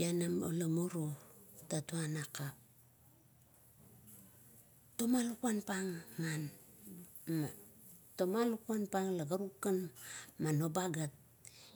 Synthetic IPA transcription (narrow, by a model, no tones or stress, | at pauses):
anamo̰lamuɾotatuanakap̚ | tomalukuanpaŋːan | matomalukuanpaŋlaɡaɾukːanmanobaɡat̚